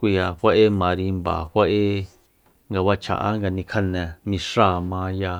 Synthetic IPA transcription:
kʷi˧ja˧ɸʷa˦ʔe˦mã˧ɾi˧mba̰˨hʷa˦ʔe˦ | ŋɡa˧βa˧t͡ʃʰa̰˨ʔa̰˦ŋɡa˧nĩ˧kʰa˧nɛ̃˨mĩ˧ʂa˦˨mã˧ja˧

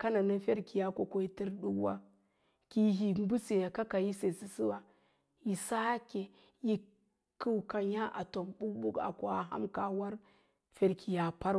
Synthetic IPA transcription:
ka˦na˨na˦fe˦ɾki˨ja˦ko˨ko˦i˦ti˦ɾɗu˦kwa̰˦ | ki˦ɦi˨m˦bu˦se˨ja˨ka˦ka˨ji˦se˨si˨si˦wa˨ | ji˨sa˦ke˨ | ji˨ | ku˦wka˨ɲa˦ʔa˨to˨mbu˦k̚bu˦ka̰˨ko˨a˨ɦa̰˦mka˨wa˦ɾ | fe˨ɾkʰi˨ja˨pa˦ɾ

